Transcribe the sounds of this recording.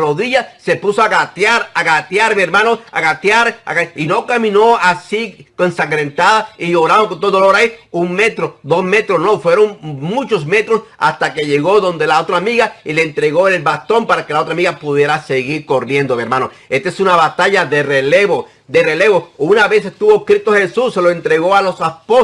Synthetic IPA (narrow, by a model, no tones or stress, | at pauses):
roðiʝase̞pusoaɣat̪jaɾaɣat̪jaɾmeeɾmanoa̰ɣat̪jaɾa̰aino̞kamĩno̞asikonsaŋɡɾe̞nt̪aðaioɾaβaŋkont̪oooloɾaiuŋme̞t̪ɾod̪o̞sme̞t̪ɾosno̞fwe̞ɾo̞ŋmut͡ʃo̞sme̞t̪ɾosa̰st̪ake̞ʝe̞ɣo̞ðo̞nd̪elaot̪ɾaːmiɣaile̞ːnt̪ɾe̞ɣo̞elβast̪o̞mpaɾake̞lao̞t̪ɾamiɣapuðje̞ɾase̞ɣiɾko̞rje̞nd̪omeɾmano | est̪esunaβat̪aʎaðe̞releβo | d̪ere̞le̞βounaβe̞sest̪uβokɾit̪ohe̞susːe̞loe̞nt̪ɾe̞ɣo̞alo̞saspo